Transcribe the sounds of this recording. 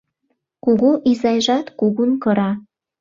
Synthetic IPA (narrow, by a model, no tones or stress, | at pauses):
kuɣoʔizɑjʒɑt̪kuɣunkɤ̆ɾɑ